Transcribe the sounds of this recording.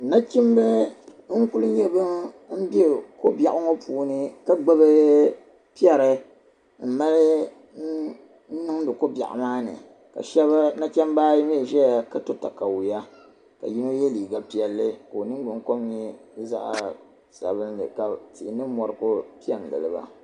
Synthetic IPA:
na˦ki˦m˦bɛ˦ŋ̩˦ku˦lɨ˦ɲɛ˦bɨ˦m̩˦be˦ko˦bja˨ʔʊ˦ŋɔ˦pʰuː˦nɨ˦ka˦ɡ͡ba˦bɨ˦ | pi˦ɛ˦ɾɨ˨ | m̩˦ma˦lɨ˦ | nɨ˦ŋ˦dɨ˨ko˦bʲa̰˨ʔa̰˨maː˦nɨ̰˨ | ka̰˨ʃɛ˦βa˦na˦t͡ʃɛ˦m˦baː˦jm˦˨ʒɛ˦ja˨ka˦to˦ta̰˨ka˨wja˦ | ka̰˨ji˦no˦jɛ˦liː˨ɡa˨pi˨ɛ˨lːɨ˦ko˨nɨ˦ɡ͡bɨ˨ŋko˦mɲɛ˦za̰˦ʔa̰˨ | sa̰˨βɨ˦n˦lɨ̰˨ka˨ti˨ɪ˨nɨ˦mɔ˨ɾɨ˦˨ko˦pi˦ɛ˨ŋ˨ɡɨ̰˨lɨ˨ba̰˨

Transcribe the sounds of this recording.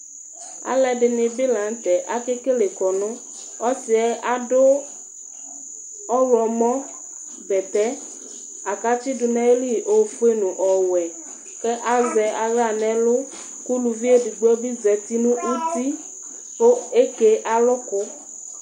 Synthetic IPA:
a̰˦lɛ˨ɖɪ˨nɪ̃˨bɪ˦la˨ŋ̩˦t̪ɛ˨ʔa˦ke˦ke˦le˨kɔ˨nʊ̃˦ | ɔ˦sɪ˨ɛ˦ʔa˦dʊ˦ | ɔ˦wɔ˨mɔ̃˦ | bɛ˨t̪ɛ˦ | a˨ka˦t͡ʃi˦dʊ˨nɛ̃˦e˦li˦˨ʔo˨fu˦e˦nũ˨ʔɔ˨wɛ˨ | kɛ˦ʔa˦zɛ˨ʔa˨ɣa˨nɛ̃˦lʊ˦ | ku˦lu˨vi˦e˦du˨ɡ͡bɔ˦bi˦zɛ˨t̪i˦nũ˦ʔu˦t̪i˦ | o˦e˦ke˦ʔa˨lʊ˦kʊ˦

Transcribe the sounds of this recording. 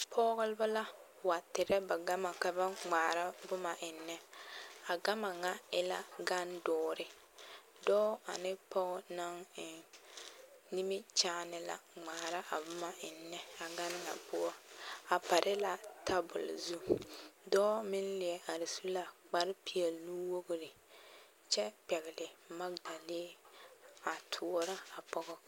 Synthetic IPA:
pʰɔː˦ɣʊ˦lba˦la˦ | wa˨tɪ˨ɾɛ˦ba˨ɡa˦ma˨ka˦ba˦ŋ͡maː˨ɾa˦bʊ˦ma˨ʔɪ˨nːɛ˦a˨ɡa˦ma˨ŋa˨ɪ˨la̰˦ɡa˦ndɔː˦ɾɪ˦ | dɔː˦a˨nɪ˦pɔ˦ɣna˦ŋɪ˨ | ni˦mɪ˦t͡ʃaː˦nɪ˨la̰˨ŋ͡maː˨ɾa˦ʔa˨bʊ˦ma˨ɪ˨nːɛ˦a˨ɡa˦n˦ŋa̰˨pʊ˦ɔ˦a˨pa˨ɾʔɪ˦la˦ta˦bʊ̰˨l̰zu˦dɔː˦mɪ˦nlɪ˨ɛ˨ʔa˨ɾɪ˨su˦la˨k͡pa˦ɾɪ˦pi˨ɛ˨lnu˦wo˦ɡʊ˦ɾɪ˨ | t͡ʃɛ˦pɛ˨ɣɪ˨lɪ˨ma˦ɡ͡ba˨leː˦ | a˨tʰʊ˨ɔ˦ɾa˦a˨pɔ˦ɡɔ˦

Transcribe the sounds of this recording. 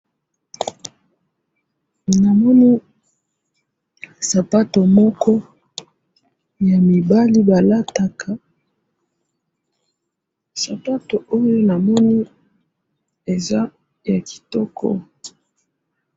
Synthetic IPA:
na˨mɔ˦ni˦ | sa˨pa˦to˨mɔ˦kɔ˦ | ja˨mi˨ba˦li˦ba˨la˦ta˨kʰa˨ | sa˨pa˦to˨o˦jo˦na˨mɔ˦ni˦ | e˨za˦ | ja˨ki̥˨tɔ˦kʰɔ̰˦

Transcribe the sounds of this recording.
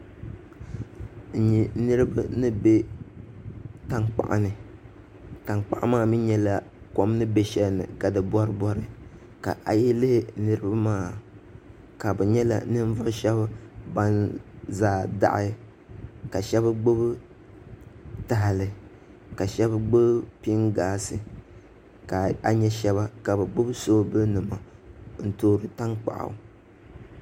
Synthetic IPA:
ɲi˨nɨ˦ɾɨ˦ba˦nɨ˦be˦ | ta˦ŋk͡pa̰˨ʔa̰˨nɨ˨ | ta˨ŋk͡pa̰˨ʔa̰˦maː˦mi˦ɲɛ˦la˨ | kɔ˦m˦nɨ˦be˦ʃɛ˦lnɨ̰˨ka˨dɨ˨bɔ˦ɾɨ˦bɔ˦ɾɨ˦ | ka̰˨ʔa̰˨je˦lɨ˦hɪ˨˦nɨ˦ɾɨ˦ba˦maː˦ | ka˨bɛ˨ɲɛ˦la̰˨nɨ˦n˦vʊ˦ʃɛ˦bba˦nzaː˨da̰˦˨ʔɪ˦ | ka˨ʃɛ˦bɡ͡bo˦bɨ˦ | ta˨ɦa˨lɨ˨ | ka˨ʃɛ˦bɡ͡bo˦bpi˦ŋɡaː˦sɨ˨ | ka˨a˨ɲɛ˦ʃɛ˦βa˦ka˨bɛ˨ɡ͡bo˦bsoː˦bɨ˦nɨ˨ma˨n̩˨toː˦ɾɨ˨ta˦ŋk͡pa̰˨ʔa̰˨˦˨

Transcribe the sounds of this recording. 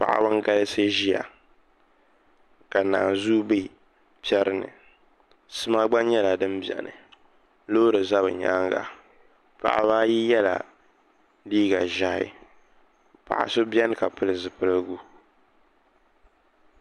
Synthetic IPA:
pa̰˨ʔa̰˨ba˦ŋ˦ɡa˦lɨ˦se˦ʒi˦ja̰˨ | ka˨naː˨nzu˦bi˦ | pi˦ɛ˦ɾɨ˦nɨ̰˨ | sɨ˦ma˦ɡ͡ba˦nɲɛ˦la˨dɨ˦mbjɛ̰˨nɨ̰˨ | loː˦ɾɨ˨za˦bɨ˨ɲa̰˦ŋɡa̰˨ | pa̰˨ʔa̰˦ba˦ji˦jɛ˦la̰˨ | liː˦ɡa˨ʒa˦hɪ̰˦ | pa̰˨ʔa̰˨so˦bjɛ˦nɨ˦ka˨pɨ˦lɨ˨zɨ˨pɨ˦lɨ˦ɡu˦

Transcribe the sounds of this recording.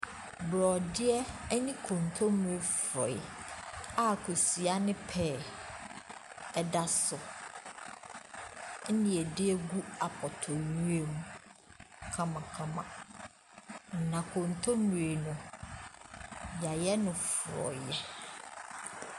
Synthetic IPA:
bɾɔ˨dɪ˦ɛ˦nĩ˦kʰõ˨n˨tʰõ˦mũ˨e˨fɾɔ˨ɪ˨ | a˦kʰo˨si˨a˦nɪ̃˦pʰɛː˦˨ | ɛ˦da˦sʊ˨ | n̩˦nɪ̃˨ɛ˨dɪ˦ɛ˦ɡu˦a˨pʰɔ˨tʰɔ˨ɲũ˦e˨mũ˦ | kʰã˦mã˨kʰã˦mã̰˨ | nã˨kʰõ˨n˨tʰõ˦mũ˨e˨nʊ̃˨ | ja˨jɛ˦nʊ̃˨fʊ˨ɾɔ̰˨jɛ˦

